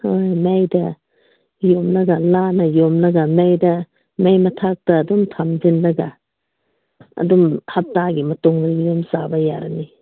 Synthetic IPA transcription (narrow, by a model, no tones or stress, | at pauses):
hojmejdɐ | jomlɐɡɐlanɐjomlɐɡɐmejdɐ | mejmɐtʰak̚tɐːdumtʰamd͡ʒinlɐɡa | ɐ̰dumhɐp̚taɡimɐtoŋɡɾɡidomsabɐja̰ɾɐ̰ni